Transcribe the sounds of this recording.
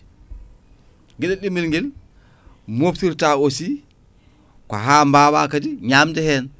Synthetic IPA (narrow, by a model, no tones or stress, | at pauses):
ɡɛɗɛɗimilŋɡɛl | moftiɾtaːosi | kɔ̰ɦaːmbaːwaːkadiɲaːmdɛhɛːn